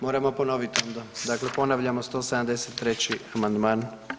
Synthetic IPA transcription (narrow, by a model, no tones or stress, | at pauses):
mo̞ːɾamo̞po̞no̞ʋit̪ond̪ad̪akle̞po̞naʋʎamo̞st̪o̞sed̪amd̪eset̪ːɾe̞t͡ɕiamand̪maːn